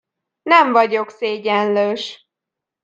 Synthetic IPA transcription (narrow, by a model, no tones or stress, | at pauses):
nɛɱvɒɟo̞kseːɟɛnløːʃ